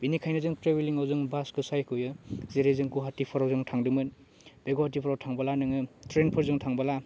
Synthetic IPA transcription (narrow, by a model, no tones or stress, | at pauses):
binikʰajnɯzɯŋtɾebeliŋawzɯŋbaskɯsajkʰɯjɯzeɾezɯŋkuɦatipʰɔɾawzɯŋtʰaŋdɯmɯn | b̥eɡuɦatipʰɔɾawtʰaŋbalanɯŋɯtɾenpʰɯɾzɯŋtʰaŋbala